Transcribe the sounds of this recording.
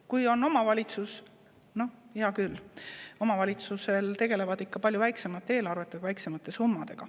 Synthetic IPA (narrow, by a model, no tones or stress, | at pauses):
kujo̞nːo̞mɑvɑlʲit̪sus | no̞jɑkylo̞mɑvɑlʲit̪suse̞lt̪e̞ɡ̥e̞le̞vɑd̪̥ikːɑpɑlʲjuvæjkse̞mɑt̪ˑːe̞ːlɑrve̞t̪ːˑeɡvæjkse̞mɑt̪ˑːe̞sumːɑd̪̥e̞ɡ̥ɑ